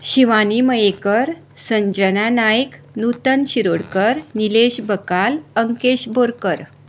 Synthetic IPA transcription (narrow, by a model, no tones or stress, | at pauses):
ɕiʋaniməjekəɾ | səɲd͡ʑənanajk | nut̪ənɕiɾoɽkəɾnileɕbəkaləŋkeɕboɾkəɾ